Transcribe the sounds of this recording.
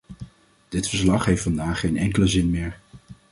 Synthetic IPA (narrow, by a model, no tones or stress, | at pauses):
d̥ɪtfəɹslɑχɦejftfɑndaːχejnɛŋkələzɪnmɪːɹ